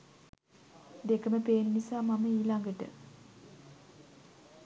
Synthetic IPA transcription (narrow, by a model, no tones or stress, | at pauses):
d̪ekəməpeːnnisaːmaməiːlaŋɡəʈə̰